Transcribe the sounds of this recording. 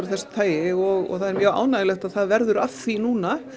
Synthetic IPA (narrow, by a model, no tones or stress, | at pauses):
ɾθɛsḁt̪ʰaːjɪɔɣɔ̰ɣθaðɛɾmjœːɣa̰ːwnaːjɪlɛxt̪aðθaðvɛɾðʏɾafθinuːna